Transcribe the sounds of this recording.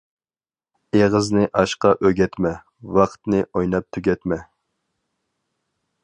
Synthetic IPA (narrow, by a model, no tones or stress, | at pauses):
eʁəznɪʔɑʃqɑʔøɡʲɛt̪mɛ | wɑqt̪nɨʔojnɑp̚t̪ʰyɡʲɛt̪mɛ